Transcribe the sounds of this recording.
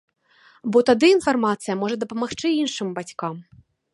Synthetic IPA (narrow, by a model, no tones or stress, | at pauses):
bɔt̪ad̪ɨːn̪farmat̪sɨjɐmɔʐɐd̪ɐpɐmaxt͡ʂɨinʂɨmbat͡sʲkam